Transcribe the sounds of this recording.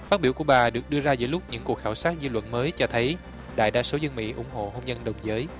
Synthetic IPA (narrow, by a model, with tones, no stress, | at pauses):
faː˦˥t̚ɓi˧˩əku˧˩əɓaː˨˩ɗɨ˨˩ək̚ɗɨ˧əzaː˧zə̰˧˩jlʊ˦˥k͡p̚ɲɨ̰˧˥ŋku˨˩ək̚xaː˧˩wsaː˦˥t̚zɨ˧lwə̰˧˨nməː˨˦jt͡ɕɔ˧t̪ʰə˨˦j | ɗa̰ː˧˨jɗaː˧so˨˦zə˧ŋmḭ˧˥ʔʊ˧˩ŋ͡mɦo̰˧˨ɦo˧mzə˧nɗə˨˩wŋ͡mzəː˨˦j